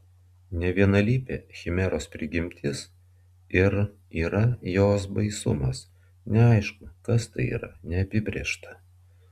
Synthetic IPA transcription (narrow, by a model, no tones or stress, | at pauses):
nʲɛʋʲiɛnɐlʲiːpʲeːxʲɪmʲɛɾoːspʲɾʲɪɡʲɪmʲt̪ʲɪs | ɪɾ | iːɾɐjoːsbɐɪsʊmɐs | nʲɛɐɪʃkʊkɐst̪ɐɪḭːɾɐ̰nʲɛɐpʲɪbʲɾʲiːʃt̪ɐ̥